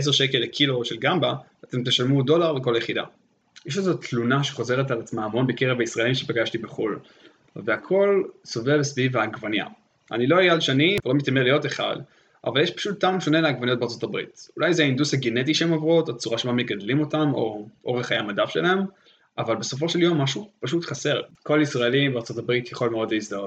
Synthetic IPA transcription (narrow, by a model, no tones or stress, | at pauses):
es̬eʁʃe̞kelːekʰilo̞ʃe̞lɡamba | ate̞mteʃalmudo̞laʁleko̞laje̞χida̰ | jeʃ̬ezotʰlunaʃeχo̞ze̞ʁetlaʁet͡smaːmo̞nbekeʁevaisʁaelimʃepaɡaʃtibeχul | veakʰo̞lso̞vevsvivaɡvanja̰ | ʔa̰niloajalʃanivelo̞mitamelijo̞teχa̰d | a̰valjeʃpḁʃut̪ːaumʃo̞ne̞laɡvanijot̚beaʁt͡so̞tabʁḭtulajzeaindushaɡenet̬iʃeemovʁotat͡suʁaʃemame̞ɡadlimo̞tamo̞ʔo̞ʁeχajamadafʃelaem | ʔavalbe̞so̞fo̞ʃe̞ljo̞mːaʃupaʃutχase̞ʁko̞laisʁaelimbeaʁt͡so̞tabʁitjaχo̞lmeo̞dleizdaot